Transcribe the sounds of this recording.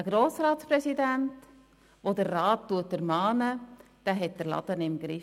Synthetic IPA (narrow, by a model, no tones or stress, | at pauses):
əɡ̥ɾoːsɾɑːtspɾɛsidænt | ʋodəɾːɑːtːuətəɾmɑːnə | d̥æːɦɛt̚d̥əɾlɑ̰d̥̪ənɪmɡɾɪ